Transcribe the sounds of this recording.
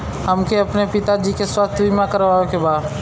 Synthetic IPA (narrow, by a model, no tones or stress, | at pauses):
hɐmkeɐpnepɪt̪ad͡ʒikeswəst̪ʰimãkəɾʋaːokebaːd̪